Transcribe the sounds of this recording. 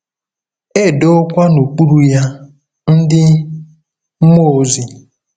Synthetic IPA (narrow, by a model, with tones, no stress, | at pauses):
e˦˨do˦kʷa˦no˨k͡pu˦ɾu˦ja˦ | n̩˦dɪ˦ | mo˦˨zi˨